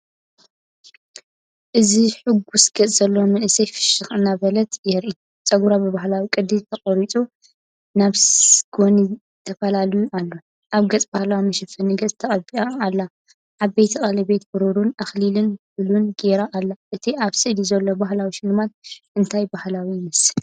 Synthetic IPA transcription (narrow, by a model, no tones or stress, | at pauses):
ʔɨziħɨɡusɡ̥ɐt͡sʼz̥ɐlːowmɨnʔɨsɐjfɨ̥ʃɨxɨnaβɐlɐt̪jɛɾʔit̪ | t͡sʼɐɡuɾabɨβaɦlawikʼɨd̪ilt̪ʰɐkʼɐɾit͡sʼu | naβsɡ̥oni | t̪ʰɐfɐlalijuʔalːo̞ | ʔaβɡɐt͡sʼbahlawimɐʃɐfɐnɨɡɐt͡sʼt̪ʰɐχʼɐbiaːlːa | ʔaβbet̪ʰiχʼɐlɐbe̞t̪̚bɨɾoɾunʔɐxlilɨnfɨlunɡeɾaʔːlːaʔɨt̪ʰiʔaβsɨʔlizɐlːobahlawiʃɪlːɨmat̪̚ʔɨnt̪ʰajbahlawinɨs